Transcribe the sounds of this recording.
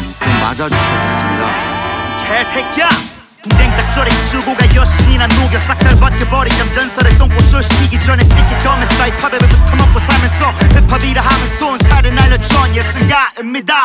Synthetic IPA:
t͡ɕomːa̰d͡ʑad͡ʑuɕʰʌkes͈ɯmɲida̰tʰesʰeka | kindeŋt͡ɕak̚t͡ɕ͈ʌɾesʰuɡoɡaiʌɕʰiminanːoɡjʌs͈ak̚t͈aɭpat̚k͈ebʌɾiɲamd͡ʑʌnsʰʌɾet͈oŋk͈osʰoɕʰi̥kʰiɡid͡ʑʌnet͈ikːit͈ʌmeskaipʰabebɯɭputʰɯmap̚k͈osʰamjʌnsʰʌhɯpʰabiɾaɦaŋɯnsʰonsʰaɾɯnaɭːɯt͡ɕʰʌnɲjes͈ɯnɡaimɲida

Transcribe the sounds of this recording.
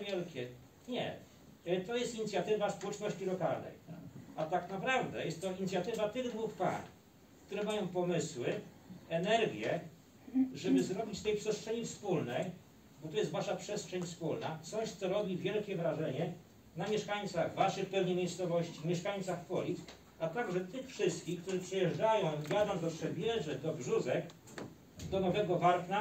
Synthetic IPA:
vʲjɛlkʲɛ | ɲɛ̰ | t̪ɔjɛst̪iɲit̪sʲjat̪ɘvaspɔwɛt͡ʂnɔɕt͡ɕilɔkalnɛ̰jat̪aknapɾavd̪ɛjɛst̪t̪ːɔiɲit̪sʲjat̪ɘvat̪ɘɣd̪vuxpa̰n | kt̪uɾɛmajɔ̃w̃pɔmɘswɘ | ɛnɛɾɡʲjɛ | ʐɛbɘzɾɔbʲit͡ɕt̪ɛjpʂɛstʂɛɲifspulnɛj | bɔt̪ɔjɛst̪vaʂapʂɛstʂɛɲfspulnasɔ̃w̃ɕt̪sɛɾɔbʲivʲjɛlkʲɛvɾaʐɛɲɛ | namʲjɛʂkaɲt̪saɣvaʂɛxpɛvɲɛmʲjejst̪sɔvɔɕt͡ɕimʲjɛʂkaɲ̃t̪saxpɔlʲit̪ | at̪aɡʐɛt̪ɘxfʂɘst̪̚kʲixkt̪uʐɘpʂɛjɛʐd͡ʐajɔ̃w̃vʲjad̪ɔ̃w̃d̪ɔpʂɛbʲjɛʐɛd̪ɔvʐuzɛk | d̪ɔnɔvɛɡɔvaɾkna

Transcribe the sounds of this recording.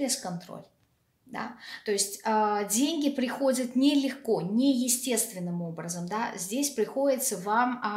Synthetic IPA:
ɪskɐnt̪ɾo̰lʲ | d̪a̰t̪o̞ɪsʲtʲədʲenʲɡʲɪpɾʲɪxo̞dʲət̪nʲɪlʲɪxko̞nʲɪjɪsʲtʲe̞st̪vʲɪnːɨmo̞bɾəzəmd̪azʲdʲesʲpɾʲɪxo̞dʲɪt̪səvam

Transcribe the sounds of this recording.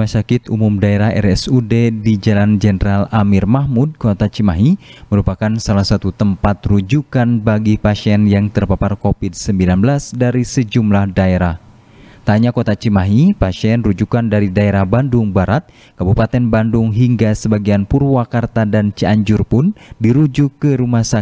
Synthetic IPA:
asakɪt̪umumdaeɾaɦɛ̰rɛsudedid͡ʒaland͡ʒɛnəɾalamɪrmahmud̚kot̪at͡ʃimaɦiməɾupakansalahsat̪ut̪əmpat̪rud͡ʒukanbaɡipasiɛnjaŋt̪ərpaparkofɪd̚səmbilanbəlasdaɾisəd͡ʒumlahdaeɾah | t̪aɲakot̪at͡ʃimaɦipaʃiɛnrud͡ʒukandaɾidaeɾahbandʊŋbaɾat̪̚ | kabupat̪ɛnbandʊŋɦiŋɡasəbaɡianpurwakart̪adant͡ʃəaɲd͡ʒurpʊndiɾud͡ʒukːəɾumasa

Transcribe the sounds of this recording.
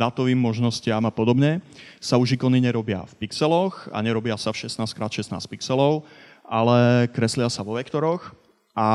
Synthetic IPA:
d̪at̪ɔʋiːmːɔʒnɔscɪamapɔd̪ɔbɲɛsauʒikɔniɲɛɾɔbɪa̰fpiksɛlɔxa̰ɲɛɾɔbɪasafʃɛsnaːskɾaːt̪ʃɛsna̰ːspiksɛlɔʊ | alɛkɾɛslɪasaʋɔʋɛkt̪ɔɾɔx | a

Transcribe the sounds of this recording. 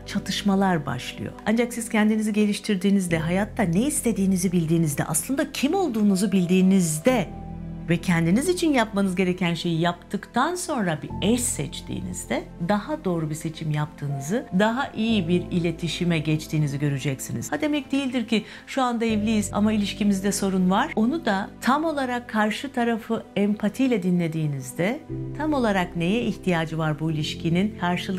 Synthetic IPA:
t͡ʃʰat̪ʰɯʃmalˠaɾba̰ʃlˠɯ̰jo̞̰ʔand͡ʒaksiz̥cʰɛnd̪iniziɟe̞lʲiʃt̪ʰiɾd̪iːnizd̪ɛɦajat̪ʰːaneist̪ʰe̞d̪iːnizibilʲd̪iːnizd̪ɛ̰ʔa̰slˠɯnd̪acʰimo̞lˠd̪uːnuzubilʲd̪iːnizd̪ɛ | vɛcʰɛnd̪inizit͡ʃʰinjapmanɯzɟe̞ɾe̞cʰænʃe̞jijapt̪ʰɯkt̪ʰanso̞nɾabiɛsːɛt͡ʃt̪ʰḭːnḭzd̪ɛd̪ahad̪o̞ːɾubise̞t͡ʃʰimjap̚t̪ʰɯːnɯzɯd̪aɦaʔijibiɾilʲe̞t̪ʰiʃimɛɟɛt͡ʃt̪ʰiːniziɟø̞ɾyd͡ʒɛcsiniz̥ad̪e̞mɛc̚d̪ejilʲd̪iɾci | ʃuand̪aɛvlʲijiz̥a̰mailʲiʃcimizd̪ɛso̞ɾunvaɾ̥o̞nud̪at̪ʰamo̞lˠaɾakʰːaɾʃɯt̪ʰaɾafɯɛmpʰat̪ʰijlʲɛd̪inlʲe̞d̪iːnizd̪ɛt̪ʰamo̞lˠaɾakne̞jɛiçt̪ʰijaːd͡ʒɯvaɾbuilʲiʃcʰininkʰaɾʃɯlˠ

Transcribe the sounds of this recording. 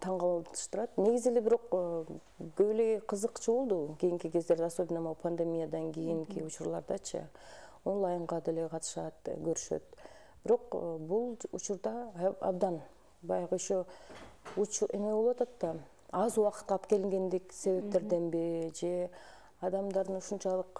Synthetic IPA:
t̪ʰɑɴʁɑt̪ɯ̥ʃt̪ɯɾɑt̪ne̞ɡizilebiɾo̞q | ɡøβileɡeqʰɯzɯqt͡ʃʰɯβolˠd̪ukʲijiŋkiɡe̞zd̪e̞ɾd̪ɑso̞bʲɪnɑmɑpʰɐnd̪e̞mʲijad̪ɑŋɡʲijiŋkiut͡ʃuɾlˠɑ̰ɾd̪ɑt͡ʃʰɯ̰ | onlˠɑjɴʁɑd̪e̞leqʰɑt̪ɯ̥ʃɑt̪ɡøɾyʃø̞̰t̪̚ | b̥iɾo̞qbulˠut͡ʃuɾd̪ɑɑ̰bd̪ɑn | bɑjɑʁəoʃo | ut͡ʃe̞meβo̞lˠwɑt̪ɑt̪ːɑ | ɑzuwɑqɯ̥t̪ɑpke̞liŋɡe̞nd̪ikse̞βe̞p̚t̪e̞ɾd̪e̞nbiɾid͡ʒe̞ | ɑd̪ɑmd̪ɑɾd̪ɯnuʃunt͡ʃɑlˠɯq

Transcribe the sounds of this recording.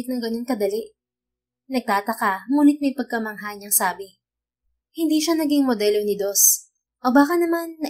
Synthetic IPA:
ɪt̪nɐŋɡɐno̞nkɐd̪ɐlɪʔ | nɐɡ̚t̪aːt̪ɐkamuːnɪt̪̚mɐjpɐɡ̚kɐmɐŋɦaɲɐŋsaːbɪ | hɪnd̪iːʃanɐɡiŋmod̪ɛlonɪd̪os | ʔobaːkɐnɐmanːɐ

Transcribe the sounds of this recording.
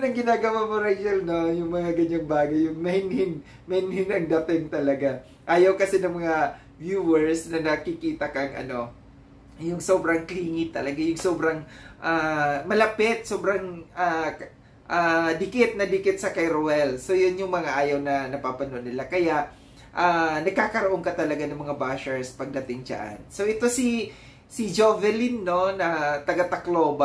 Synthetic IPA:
nɐŋɡɪnaːɡɐwamʊɾɛɡɛlnojʊŋmɐŋaɡɐɲaŋbaːɡɐjʊŋmɐhɪnhɪn | mɐhɪnhɪnɐŋd̪at̪ɪŋt̪ɐlɐɡa | ʔaːjɐwkɐsɛnɐŋmɐŋa | vjuːwɛɹsnɐnɐkɪkiːt̪ɐkɐŋʔɐ̰no̞ | jʊŋso̞ːbɾɐŋkliːŋɪt̪ːɐlɐɡajʊŋsoːbɾɐŋʔamɐlɐpɪt̪̚soːbɾɐŋa | ʔad̪ɪkɪt̪̚nɐd̪ɪkɪt̪̚sɐkɐjɾowɛlso̞jʊnjʊŋmɐŋaʔaːjɐwnɐnɐpaːpɐnoʔɐnɪlakɐjaʔ | ʔanɐɡ̚kːakɐɾoʔoŋkɐt̪ɐlɐɡanɐŋmɐŋabaːʃɛɹspɐɡ̚d̪ɐt̪ɪŋd͡ʒɐ̰ʔa̰nso̞ʔɛt̪o̞si | sɪd͡ʒovɛlinːo̞nɐt̪ɐɡat̪ɐklo̞ːba

